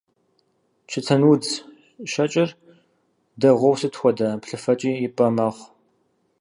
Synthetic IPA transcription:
t͡ʃʰɨt͡sʰɐnud͡z | ʃɐt͡ʃʼɪr | dɐʁʷɔwsɨtxʷɔdɐpɬɨfɐt͡ʃʼiːjɪpʼɐmɐχʷ

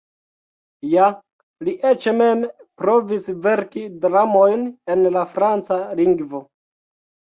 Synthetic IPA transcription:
ja | liʔet͡ʃeme̞mpɾo̞visve̞ɾkidɾamo̞jne̞nlafɾant͡saliŋɡvo̞

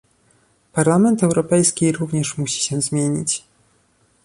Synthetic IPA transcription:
paɾlamɛnt̪ɛwɾɔpɛjskʲiɾuvɲɛʂmuɕi̥ɕɛ̃zmʲjeɲḭt͡ɕ

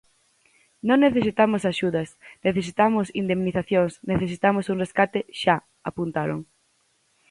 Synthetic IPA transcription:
nõŋneθesit̪amʊsaʃuðɐsneθesit̪amʊsind̪emniθaθjoŋsneθesit̪amʊsuŋreskat̪ɪʃa | apunt̪aɾo̰ŋ

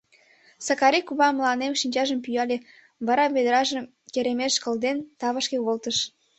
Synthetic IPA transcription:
sɑkɑɾikuβɑmlɑnemʃinʲt͡ɕɑʒəmpyjɑlʲe | βɑɾɑβed̪əɾɑʒəm | keɾemeʃkə̆ld̪ent̪ɑβəʃkeβolt̪əʃ

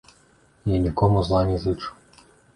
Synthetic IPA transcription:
jɛnʲikɔmuzlˠanʲizɨt͡ʂu̥

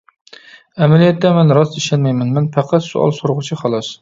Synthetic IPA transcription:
ɛmɛlijɛt̪ːɛmɛnɾɑsiʃɛnmɛjmɛnmɛnpʰæqʰæt̪sṵʔɑ̰lˠsoɾʁʊt͡ʃʰiχɑlˠɑs

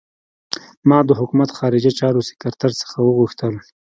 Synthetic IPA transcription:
mɑd̪əɦʊkumat̪xɑɾɪd͡ʒat͡ʃɑɾosɪ̥kaɾt̪aɾsə̥xawəɣuxt̪əl

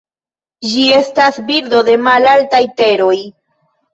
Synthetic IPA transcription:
d͡ʒie̞stasbiɾd̪o̞d̪e̞malaltajte̞ɾoj

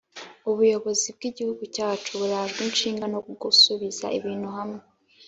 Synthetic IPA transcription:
uβujo̞βo̞zib̚ɡiɟihuɡucaːt͡ʃuβuɾaʒɡinʃiːŋɡanokuɡusuβiza̰ʔiβiːnhuɦamŋe

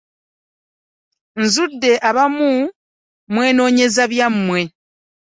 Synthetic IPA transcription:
nzudːe̞ʔaβamu | mwe̞ːno̞ːɲe̞zaβjamːwe̞

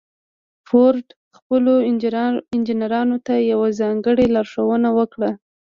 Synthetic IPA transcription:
foɾɖ | xpəlo | ɪnd͡ʒinaɾɑnot̪ajawazɑŋɡəɽelɑɾʂawənawəkɽa

